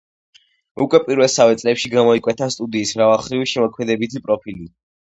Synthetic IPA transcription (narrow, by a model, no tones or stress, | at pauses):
ukʼwɛpʼiɾvɛlˠsavɛt̪sʼlɛpʃiɡamɔikʼwɛt̪ʰast̪ʼud̪iːsmɾavalˠχɾiviʃɛmɔkʰmɛd̪ɛbit̪ʰipʼɾɔpʰili